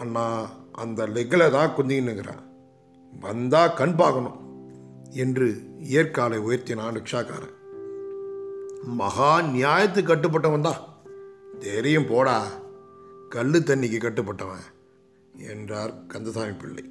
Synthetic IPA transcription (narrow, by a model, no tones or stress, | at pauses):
anːãːɐnd̪ɐlɛɣɐlɛt̪ãːkʊnd̪ɪkɪnːɯŋɡɪɾã̰ː | ʋɐnd̪aːkɐɳpaːɣɐnʊ̃m | ɛndrɯɪjɐɾkaːlɐɪʊjɐɾt̪ɪnaːnɐkʂaːka̰ːɾɐ̰̃ | mɐɣaːnɪjaːjɐt̪ːɯkːɐʈːɯp̬ːɐʈːɐʋɐnd̪ãː | d̪ɛɾɪjɯmpoːɽaː | kɐɭːɯt̪ːɐɳːɪkːɯkːɐʈːɯpːɐʈːɐʋɐ̰̃ | ɛ̰ndraːɾkɐnd̪ɐsaːmipɪɭːɐ̰ɪ